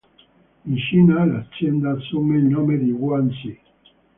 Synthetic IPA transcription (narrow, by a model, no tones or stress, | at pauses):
inʃinalat͡ʃjɛnd̪asomelnomed̪iɡwansi